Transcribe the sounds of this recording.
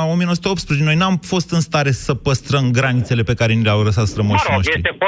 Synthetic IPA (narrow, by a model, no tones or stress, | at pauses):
o̞mienosut̪eopt̪spɾezet͡ʃeno̞jnuamfo̞st̪ɨnst̪aɾe̞səpəst̪ɾəmɡɾanit̪se̞le̞pe̞kaɾe̞nileawləsat̪sɾəməʃinoʃt̪ɾi